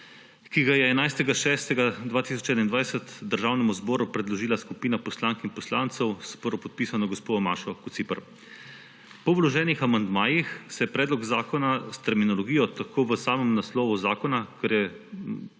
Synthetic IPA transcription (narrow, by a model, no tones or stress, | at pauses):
kiɡajɛːnajst̪ɛɡaʃɛːst̪ɛɡad̪ʋaːt̪is̬ɔt͡ʃɛːd̪aind̪ʋajsət̪d̪əɾʒaːwnɛmuzbɔːɾupɾɛd̪lɔʒiːlaskupiːnapɔslaːŋkinpɔslaːnt̪sɛwspɔɾɔpɔt̪̚piːsanɔɡɔspoːd̪ɔma̰ːʃɔkut̪sipəɾ | pɔwlɔʒɛːnixamand̪maːjixsɛjɛpɾɛːd̪lɔɡzaːkɔnast̪ɛɾminɔlɔɡiːjɔt̪akʰoːʋəsaːmɛmnaslɔːʋuzaːkɔnakɛɾjɛ